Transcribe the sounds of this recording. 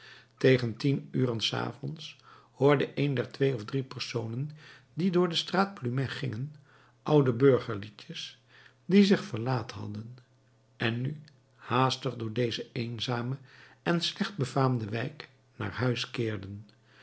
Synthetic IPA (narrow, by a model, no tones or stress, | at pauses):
tejχəntinyːrənsa̰ːvɔns | hʊːɹdəʔejndɛɹtʋejɔvdripɛɹsownən | didʊːɹdəstraːt̚plymɛχɪŋən | ʔʌwdəbøɹχəɹlicəs | dizɪχfəɹlaːthɑ̰dən | ʔɛnːy | haːstəχdʊːɹdejzəejnzaːməɛnslɛχd̚bəvaːmdəʋɛjk | na̰ːɹɦœɥskɪːɹdən